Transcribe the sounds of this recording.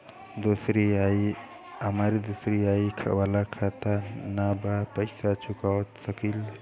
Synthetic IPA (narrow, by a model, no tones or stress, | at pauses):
d̪osɾiaj | əməɾd̪usɾiajkʰa̰ʔwalakʰat̪anabapəjsat͡ʃukawt̪səkil